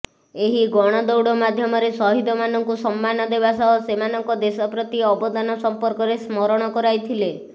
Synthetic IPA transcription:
eɦiɡɔɽ̃ɔd̪ɔwɽɔmad̪ʱjɔmɔɾesɔɦid̪ɔmanɔŋkusɔmːanɔd̪ebasɔɦɔsemanɔŋkɔd̪esɔpɾɔt̪iɔbɔd̪anɔsɔmpɔɾkɔɾesmɔɾɔɽ̃ɔkɔɾajt̪ʰile

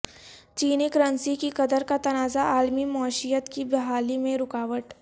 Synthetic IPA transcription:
t͡ʃiːnikɾə̃nsikikɐd̪əɾkat̪ɐnaːzaʔaːlmimɔːʃijət̪kibɪɦaːlimẽɾʊkaːʋəʈ

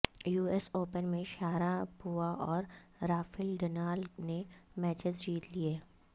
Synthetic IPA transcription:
juːesoːpənmẽʃaːɾapuːaʔɔːɾɾaːfɪlɖənaːlnemɛːt͡ʃɪzd͡ʒiːt̪lieː

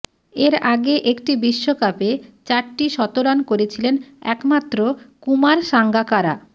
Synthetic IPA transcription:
eɾaɡeʔekʈibiʃːokapet͡ɕaɾʈiʃɔt̪oɾankoɾet͡ɕʰilenɛ̰kmat̪ːɾokumaɾʃaŋɡakaɾa̰

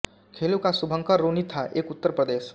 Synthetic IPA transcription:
kʰeːlukasʊbʱə̃ŋkəɾoːnit̪ʰaʔeːkʊt̪ːəɾpɾəd̪eːʃ

